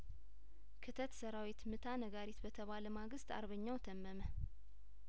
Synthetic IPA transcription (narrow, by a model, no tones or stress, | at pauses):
kʰɨt̪ʰət̪səɾawit̪mɨt̪ʰanəɡaɾit̪bət̪ʰəβaləmaɡɨst̪a̰ɾβəɲːawt̪ʰəmːəmə